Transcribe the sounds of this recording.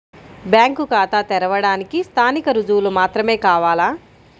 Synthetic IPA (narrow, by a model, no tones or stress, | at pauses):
bjaːŋkukaːt̪at̪ɛɾɐʋɐɽaːnikist̪ʰaːnikɐɾud͡ʒuwlumaːt̪ɾɐme̞ːkaːʋaːlaː